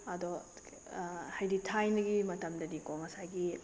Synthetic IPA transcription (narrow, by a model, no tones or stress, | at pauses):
ɐdɔ | hajditʰajnɐɡimɐtɐmdɐdikɔŋɐsajɡi